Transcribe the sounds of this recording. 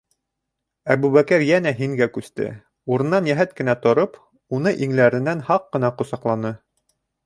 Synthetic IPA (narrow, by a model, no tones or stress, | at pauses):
æβʉβækɘɾjænæɦiŋɡækʉst̪ɘ̰ | uɾɤ̆nːɑnjæɦæt̪kɘ̆næt̪ŏɾɤp | unɤʔiŋlæɾɘ̆nænhɑqːɤ̆nɑqŏsɑqlˠɑnɤ